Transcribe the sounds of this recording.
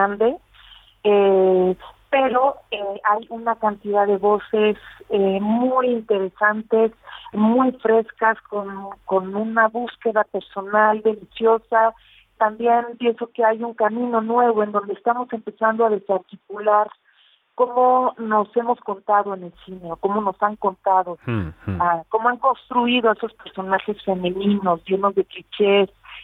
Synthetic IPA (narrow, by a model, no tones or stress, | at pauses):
and̪e̞ | e | pe̞ɾo̞eajunakant̪iðaðe̞βo̞se̞semujint̪e̞ɾe̞sant̪e̞smujfɾe̞skaskonko̞nũnaβuske̞ðape̞ɾso̞nald̪e̞lisjo̞sa | t̪ambje̞npje̞nso̞ke̞ajuŋkamĩno̞nwe̞β̞o̞e̞nd̪o̞nd̪eːst̪amo̞se̞mpe̞sand̪oað̞e̞saɾt̪ikulaɾ | ko̞mo̞no̞se̞mo̞sko̞nt̪aðo̞e̞ne̞lsine̞oko̞mo̞no̞saŋko̞nt̪að̞o̞ako̞moaŋko̞nst̪ɾuiðo̞e̞so̞spe̞ɾso̞naxe̞sfe̞mẽ̞nĩno̞zʝe̞no̞zðe̞kit͡ʃes